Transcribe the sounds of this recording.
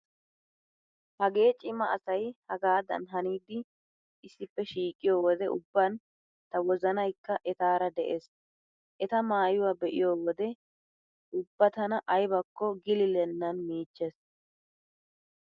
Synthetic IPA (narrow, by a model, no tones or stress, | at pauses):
hɐɡe̞ːt͡ʃʼɪmɐɐsɐjhɐɡaːd̪ɐ̰nɦɐniːd̪ɪ | ɪsːɪpːɛʃiːkʼːɪjoːwɔd̪ɛʊbːɐn | t̪ɐwɔzɐnɐjkːɐʔɛt̪aːɾɐd̪ɛʔeːs | ʔɛt̪ɐmaːjʊwaːbɛʔɪ̰joːwɔd̪ɛ | ʊbːɐt̪ɐnɐʔɐjbɐkːɔɡɪlɪlɛnːɐnmiːt͡ʃːes